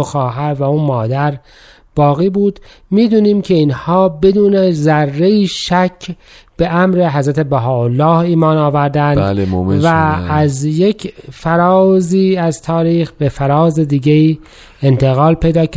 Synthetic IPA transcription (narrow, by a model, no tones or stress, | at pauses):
oxɒːɦæɾvæuːnmɒːd̪æɾ | b̥ɒːɣiːbuːd̪ | miːd̪uːniːmcʰe̞iːnhɒːbe̞d̪uːnezærːe̞iːʃæcʰ | b̥e̞ʔæmɾeɦæzɾæt̪ʰe̞bæɦɒːolːɒːhiːmɒːnɒːvæɾd̪ændd̪lovæːzjecʰfæɾɒːziːæzt̪ʰɒːɾiːxbefæɾɒːzed̪iːɟeiː | ent̪ʰeɣɒːlpʰe̞jd̪ɒːk